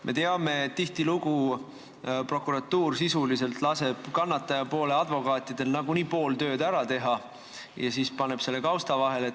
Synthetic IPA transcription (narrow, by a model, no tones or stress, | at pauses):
mʔe̞̰t̪eɑme̞et̪t̪ːiht̪iluɡ̥u | pro̞kːuɾɑt̪ːuːrsisulise̞lt̪lɑse̞b̥kɑnːɑt̪ːˑɑjɑpo̞ːle̞ɑd̪vo̞kɑːt̪ːˑid̪̥e̞lnɑɡuniːpo̞ːlt̪ø̞ːd̪æɾɑt̪e̞ɦɑ | jɑsiːspɑne̞b̥se̞lːe̞kɑwst̪ɑvɑɦe̞le